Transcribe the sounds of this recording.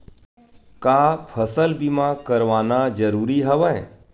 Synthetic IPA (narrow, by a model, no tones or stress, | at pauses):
kaːpʰəsəlbimãkəɾʋaːnad͡ʒɐɾuːɾiɦɐʋə̃ẽ